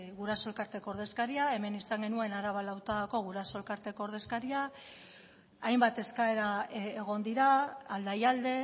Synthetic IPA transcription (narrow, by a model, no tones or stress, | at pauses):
ɣuɾaso̞lkaɾt̪e̞koɾð̞e̞skaɾiae̞me̞nisaŋɡe̞nue̞naɾaβalawt̪aðko̞ɣ̞uɾasolkaɾt̪e̞koɾðe̞skaɾia | ajmbat̪e̞skae̞ɾaeɣ̞o̞nd̪iɾaːld̪ajald̪e̞